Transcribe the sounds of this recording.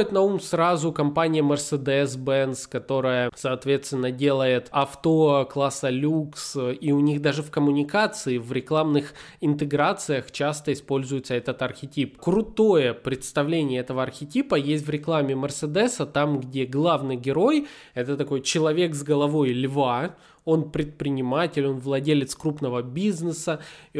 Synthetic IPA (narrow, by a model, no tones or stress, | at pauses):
ɪt̪nɐumsɾazʊkɐmpanʲɪjəmʲərsəd̪ɛsbɛnskɐt̪o̞ɾəjəsɐːt̪vʲe̞t̪st̪vʲɪnːədʲe̞lˠəjɪt̪ɐft̪oklˠasəlʲuksiʊnʲiɣd̪aʐɨfkəmʊnʲɪkat̪sɨɪvɾʲɪklˠamnɨx | ɪnt̪ɨɡɾat̪sɨjəxt͡ɕast̪əɪspo̞lʲzʊjɪt̪səɛt̪ət̪ɐrxʲɪtʲipkɾʊt̪o̞jəpɾʲɪt̪st̪ɐvlʲenʲɪjəɛt̪əvəɐrxʲɪtʲipəjesʲtʲvɾʲɪklˠamʲɪmʲərsɨd̪ɛsət̪amɡdʲe̞ɡlˠavnɨjɡʲɪɾo̞j | ɛt̪ət̪ɐko̞jt͡ɕɪlˠɐvʲe̞kzɡəlˠɐvo̞jlʲva | o̞npɾʲɪt̪̚pɾʲɪnʲɪmatʲɪlʲo̞nvlˠɐdʲelʲɪt̪skɾupnəvəbʲiznɨsə